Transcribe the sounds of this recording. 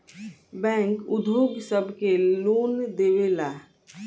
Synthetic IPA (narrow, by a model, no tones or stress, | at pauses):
bɛ̃ːŋkʊd̪buːɡsəbkeloːnd̪eːweːlaː